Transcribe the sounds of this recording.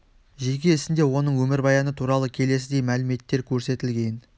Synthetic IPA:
ʒe̞kʲe̞ɪsɪnd̪e̞wo̞nəɴwɵmɪɾbɑjɑnət̪ʰuɾɑlˠəkʲʰe̞le̞s̬ɪd̪e̞jmælɪme̞t̪ːe̞ɾkʲʰɵɾse̞t̪ɪlɡʲe̞n

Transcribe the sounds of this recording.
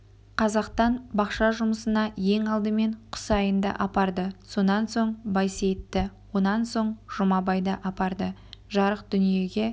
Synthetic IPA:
qʰɑzɑqt̪ɑnbɑqʃɑʒʊməsənɑje̞ŋɑlˠd̪əme̞ɴqʰʊ̥sɑjənd̪ɑ̰ʔɑpɑɾd̪əso̞nɑnso̞ɴbɑjset̪ːɪwo̞nɑnso̞ɴʒ̥ʊmɑbɑjd̪ɑʔɑpɑɾd̪əʒɑɾəqd̪̥ʏnije̞ɡʲe̞

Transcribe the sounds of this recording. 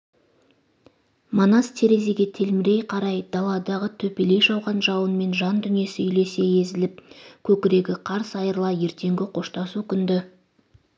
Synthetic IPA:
monɑst̪ʰe̞ɾe̞ze̞ɡʲe̞t̪ʰe̞lmɪɾe̞jqʰɑɾɑjd̪ɑlˠɑd̪ɑʁət̪ʰɵpe̞le̞jʒɑwʁɑnʒɑwənme̞nʒɑnd̪ʏnije̞sɪʏjle̞se̞je̞zɪlɪp̚kʲʰɵkʲɪɾe̞ɡʲɪqʰɑɾsɑjəɾlˠɑje̞ɾt̪e̞ŋɡʲɪqʰo̞ʃt̪ɑsukʲʏnd̪ɪ

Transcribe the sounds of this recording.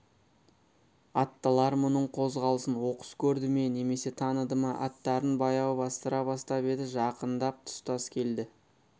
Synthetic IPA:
ɑt̪ːəlˠɑɾmʊnəɴqʰo̞zʁɑlˠəsənwo̞qə̥skʲʰɵɾd̪ɪme̞ne̞me̞se̞t̪ʰɑnəd̪əmɑʔɑt̪ːɑɾənbɑjɑwbɑst̪əɾɑbɑst̪ɑpe̞d̪ɪʒɑqənd̪ɑp̚t̪ʰʊ̥st̪ɑskʲʰe̞ld̪ɪ

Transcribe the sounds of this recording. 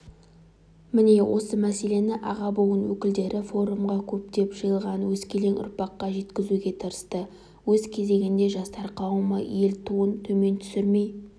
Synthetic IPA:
mɪne̞wʔo̞səmæse̞le̞nɪʔɑ̰ʁɑbowənwɵkʲɪld̪e̞ɾʔɪfo̞ɾumʁɑkʲʰɵp̚d̪e̞pʒ̥əjəlˠʁɑnwɵzkʲʰe̞le̞ŋʊ̰ɾpɑqːɑʒe̞t̪kʲɪzuɡʲe̞t̪ʰəɾəst̪ə | wɵzkʲʰe̞ze̞ɡʲɪnd̪e̞ʒɑst̪ɑɾqʰɑwmɑjje̞lt̪ʰuənt̪ʰɵme̞nt̪ʰʏ̥sɪɾme̞j

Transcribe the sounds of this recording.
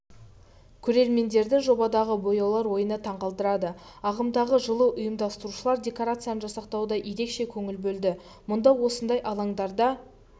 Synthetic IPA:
kʲʰɵɾe̞ɾme̞nd̪e̞ɾd̪ɪʒo̞bɑd̪ɑʁəbo̞jɑwlˠɑɾwo̞jənət̪ʰɑɴqɑlˠd̪əɾɑd̪əɑʁəmd̪ɑʁəʒəlˠəʔʊjəmd̪ɑst̪əɾuʃəlˠɑɾd̪ʲe̞koɾat̪sɨijanəʒɑsɑqt̪ɑwd̪ɑje̞ɾe̞kʃe̞kʲʰɵŋɪlbɵld̪ɪ | mʊnd̪ɑwo̞sənd̪ɑjʔɑlˠɑɴd̪ɑɾd̪ɑ

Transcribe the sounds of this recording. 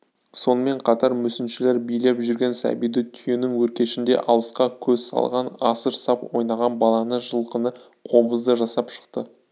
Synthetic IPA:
so̞nəme̞ɴqʰɑt̪ɑɾmʏsɪnʃɪle̞ɾbijlepʒʏɾɡʲensæ̰bijd̪ɪt̪ʰʏje̞nɪŋwɵɾkʲe̞ʃɪnd̪e̞̰ʔɑlˠəsqɑkʲʰɵzsɑ̰lˠʁɑnɑsəɾsɑpwo̞̰jnɑʁɑnbɑlˠɑnəʒəlˠqənə | qʰo̞bəzd̪əʒɑsɑpʃə̥qt̪ə

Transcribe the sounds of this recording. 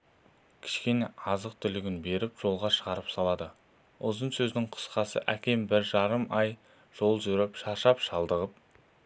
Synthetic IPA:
kʲʰɪ̥ʃkʲeneʔɑzəq̚t̪ʰʏlɪɡʲɪnbe̞ɾɪpʒ̥o̞lˠʁɑʃəʁɑɾəpsɑlˠɑd̪ə | ʊzənsɵznɪŋqʰʊ̥sqɑsə̰ʔækʲʰe̞mbɪɾʒɑɾəmɑj | ʒ̥o̞lˠʒʏɾɪpʃɑʃɑpʃɑlˠd̪əʁəp̚

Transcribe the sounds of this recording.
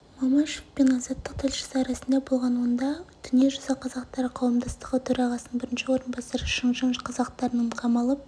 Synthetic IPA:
mɑmɑʃɪfpenɑzɑt̪ːəq̚t̪ʰɪlʃə̥səɾɑsənd̪ɑbo̞lˠʁɑnwond̪ɑd̪̥ʏnije̞ʒʊzɑqʰɑzɑqt̪ɑɾəqʰɑwəmd̪ɑst̪əʁət̪ʰɵɾɑʁɑsənənbɪɾɪnʃɪwo̞ɾənbɑsɑɾəʃəɴʒɑɴqʰɑzɑqt̪ɑɾənəmqʰɑmɑlˠəp̚

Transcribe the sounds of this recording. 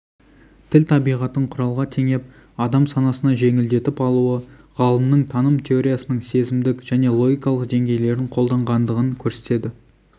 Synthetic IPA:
t̪ʰɪlt̪ʰɑbijʁɑt̪əɴqʰʊɾɑlˠʁɑt̪ʰe̞ŋe̞p̚ | ɑd̪ɑmsɑnɑsənɑʒe̞ŋɪld̪e̞t̪ɪpɑlˠuə | ʁɑlˠəmnəɴt̪ʰɑnəmt̪ʲʰeo̞ɾʲijasənəɴse̞zɪmd̪ɪkʒ̥æne̞lˠo̞ɡʲijkɑlˠəqd̪e̞ŋɡʲe̞jle̞ɾd̪ɪɴqʰo̞lˠd̪ɑɴʁɑnd̪əʁəŋkʲʰɵɾse̞̥t̪e̞d̪ɪ

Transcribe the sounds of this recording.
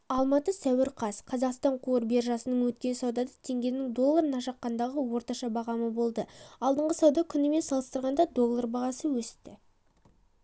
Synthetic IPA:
ɑlˠmɑt̪əsæwɪɾqʰɑsqʰɑzɑqst̪ɑɴqʰuəɾbe̞ɾʒɑsənəɴwɵt̪̚kʲe̞nsɑwd̪ɑd̪ɑt̪ʰe̞ŋɡʲe̞nɪŋd̪o̞lˠːaɾənɑʃɑqːɑnd̪ɑʁəwo̞ɾt̪ɑʃɑbɑʁɑməbo̞lˠd̪əɑlˠd̪əɴʁəsɑwd̪ɑkʲʰʏnɪme̞nsɑlˠəst̪əɾʁɑnd̪ɑd̪o̞lˠːarbɑʁɑsəwɵsɪ̥t̪ːɪ

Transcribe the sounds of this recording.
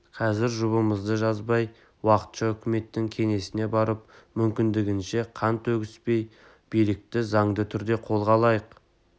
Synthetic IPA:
qʰɑzɪɾʒʊβəməzd̪əʒɑzbɑj | wɑqə̥t̪ʃɑʏkʲɪme̞t̪ːɪŋkʲʰe̞ŋe̞sɪne̞bɑɾəp̚mʏmkʲɪnd̪ɪɡʲɪnʃe̞qʰɑnt̪ɵɡʲɪspe̞j | b̥ijlɪk̚t̪ɪzɑɴd̪ət̪ʰʏɾd̪e̞qʰo̞lˠʁɑlˠɑjəq

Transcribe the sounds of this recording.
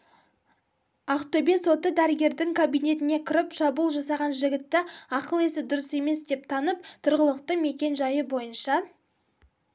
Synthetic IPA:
ɑqt̪obeso̞t̪əd̪æɾɪɡʲe̞ɾd̪ɪŋkʰabijne̞t̪ɪne̞kʲʰɪɾɪpʃɑbulˠʒɑsɑʁɑnʒɪɡʲɪt̪ːɪɑqəlˠe̞sɪd̪ʊɾəse̞me̞sd̪e̞p̚t̪ʰɑnəpt̪ʰʊɾʁəlˠəqt̪əme̞kʲe̞nʒɑjəbo̞jənʃɑ

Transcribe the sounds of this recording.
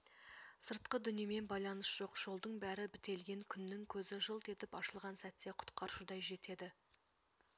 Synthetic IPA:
səɾt̪̚qəd̪ʏnijeme̞nbɑjlˠɑnəsʒ̥o̞qʒ̥o̞lˠd̪əɴbæɾɪbɪt̪e̞lɡʲe̞ŋkʲʰʏnːɪŋkʲʰɵzɪʒəlˠt̪ʰe̞t̪ɪpɑʃəlˠʁɑnsæt̪ːe̞qʰʊ̥t̪qɑɾʃud̪ɑjʒe̞t̪e̞d̪ɪ

